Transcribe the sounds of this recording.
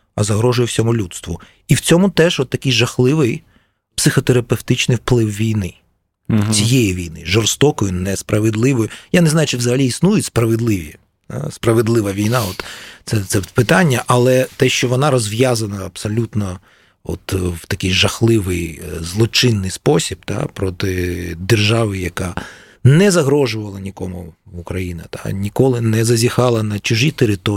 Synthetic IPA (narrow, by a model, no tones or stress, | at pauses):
ɐzɐɦɾɔʒʊjʊwsʲɔmʊlʲut̪st̪ʋʊ | iwt͡sʲɔmʊt̪ɛʒɔt̪ːɐkʲɪjʒɐxlˠɪʋɪj | psɪxɔt̪eɾɐpewt̪ɪt͡ʃnɪjwplˠɪwʋʲijnɪ | t͡sʲijejiʋʲijnɪ̰ʒɔrst̪ɔkɔjʊnɛspɾɐʋed̪lˠɪʋɔjʊjaneznɑjʊt͡ʃɪwzɐɦɐlʲiisnujʊtʲspɾɐʋedlˠɪʋʲḭ | a̰spɾɐʋed̪lˠɪʋɐʋʲijnɑɔt̪t̪sɛt̪sɛpɪt̪anʲːɐʔɐlˠɛt̪ɛʃt͡ʃɔʋɔnɑɾɔzʋjazɐnɐɐpsɔlʲut̪nɔ | ɔ̰t̪wt̪ɐkɪjʒɐxlˠɪʋɪjzlˠɔt͡ʃɪnːɪjspɔsʲib̚t̪a̰pɾɔt̪ɪd̪erʒɑʋɪjɐka | nɛzɐɦɾɔʒʊʋɐlˠɐnʲikɔmʊukɾɐjinɐ̰t̪a̰nʲikɔlˠɪnɛzɐzʲixɑlˠɐnɐt͡ʃʊʒit̪eɾɪt̪ɔ